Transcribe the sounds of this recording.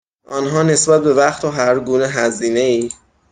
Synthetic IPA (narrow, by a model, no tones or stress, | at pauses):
ʔɒːnɦɒːne̞sbæt̪̚be̞væxt̪ʰoɦæɾɡuːne̞ɦæziːne̞iː